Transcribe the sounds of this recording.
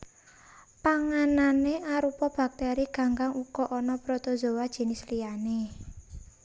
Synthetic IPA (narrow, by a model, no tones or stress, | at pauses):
paŋananeʔaɾupɔb̥a̤k̚t̪ɛɾiɡ̥a̤ŋɡaŋukɔʔɔnɔpɾot̪ozo̤wad̥ʒ̥e̤nislijane